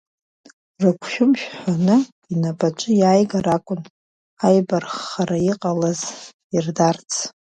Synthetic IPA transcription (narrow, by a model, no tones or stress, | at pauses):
rɨkʷʰʃᶣʊmʃᶣħʷanɨ | inapʼat͡ʃʷʼɨjaːjɡaɾakʷʼʊn | ajbarχːaɾaiqʼalaz | irdart͡sʰ